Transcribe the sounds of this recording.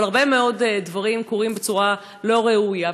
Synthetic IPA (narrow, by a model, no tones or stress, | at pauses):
laʁbemeo̞ddvaʁimkoʁimbet͡suʁa | lo̞ʁeuja